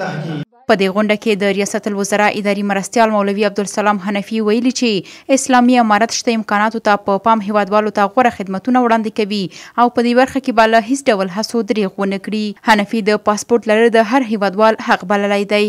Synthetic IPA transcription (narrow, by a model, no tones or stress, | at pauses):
pəd̪eɣʊɳɖaked̪əɾijɑsat̪lwəzaɾɑʔɪd̪ɑɾimɾast̪jɑlmawlawiab̚d̪ʊlsalɑmɦanafiwajəlit͡ʃeɪslɑmiamɑɾat̪ʃt̪aɪmkɑnɑt̪ot̪apəpɑmɦewɑd̪wɑlot̪aɣwaɾaxɪd̪mat̪unawɽɑnd̪ekawiawpəd̪ebaɾxakebalaɦɪsɖawlɦasod̪ɾeɣwənəkɽihanafid̪əpɑspoɾʈ̪laɾəd̪əɦaɾɦewɑd̪wɑlhaqbaləlajd̪aj